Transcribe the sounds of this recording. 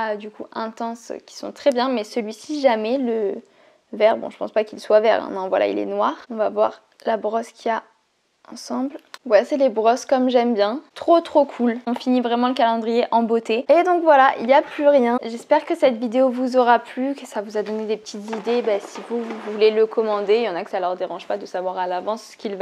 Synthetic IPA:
ad̪ykuɛ̃t̪ɑ̃skʲi̥sɔ̰̃t̪χɛbjɛ̃mɛsəlɥisiʒamɛlə | vɛʁbɔ̰̃ʒəpɑ̰̃spakilswavɛ̰ʁɛ̰̃nɛ̃vwa̰la̰ḭlɛ̰nwaːʁɔ̃vavwa̰ʁ | labʁɔskʰʲia | ɑ̰̃sɑ̃blwɛsɛlebʁɔskɔmʒɛmbjɛ̃t̪χot̪χokʰulɔ̃finivʁɛmɑ̃ləkalɑ̃d̪ʁijeʔɑ̃bot̪eed̪ɔ̃kvwalaʔḭljaplyʁjɛ̃ʒɛspɛʁkəsɛt̪vid̪eovuzɔʁaplykəsavuzad̪ɔned̪epə̥t̪ʰit̪zid̪ebasivuvuleləkʰɔmɑ̃d̪ejɑ̃nakə̥salœʁd̪eʁɑ̃ʒpad̪əsavwaʁalavɑ̃sːə̥kʲilva

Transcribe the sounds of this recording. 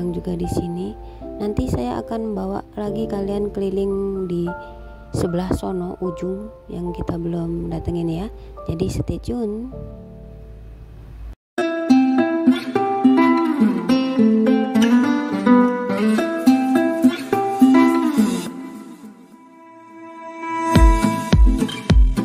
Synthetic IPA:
ŋd͡ʒuɡadisini | nant̪isajaʔa̰kanbawa̰ʔlaɡikaliankəlilɪŋdi | səbəlahsonɔʔud͡ʒuŋ | jaŋkit̪abəlʊmdat̪əŋinja | d͡ʒadisə̥t̪et͡ʃun

